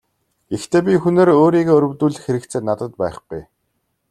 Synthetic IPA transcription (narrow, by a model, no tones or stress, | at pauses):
ɡ̥ext̪ʰeːp̬ʲixuneːɾoːɾiːɣeːɵɾʲɵ̆wt̪uːɮ̆xeɾɘ̆k̚t̪t͡sʰeːnat̪ə̆t̪pæːχɡuj